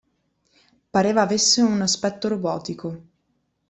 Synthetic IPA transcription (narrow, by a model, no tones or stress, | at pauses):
paɾeːvaːvesːeunaspɛt̪ːoɾobɔːt̪iko